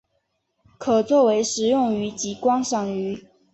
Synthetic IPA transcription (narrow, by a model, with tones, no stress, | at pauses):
kʰɤ˨˩t͡swɔ˥˩we˧˥ɪʂɻ̩˨˩jʊ˥˩ŋy˧˥t͡ɕi˧˥kwɑ˥ŋʂɑ˨˩ŋy˧˥